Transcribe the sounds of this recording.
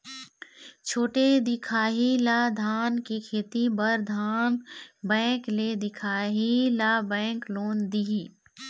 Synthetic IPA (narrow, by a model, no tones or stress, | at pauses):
t͡ʃʰoːʈed̪ɪkʰaːɦilad̪ʱaːnkikʰeːt̪ibəɾd̪ʱaːnbɛ̃ːkled̪ɪkʰaːɦilabɛ̃ːkloːnd̪iɦiː